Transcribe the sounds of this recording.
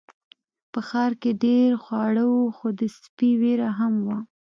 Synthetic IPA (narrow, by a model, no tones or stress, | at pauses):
pəxɑɾkeɖeɾxwɑɽəwoxod̪əspiweɾaɦamwa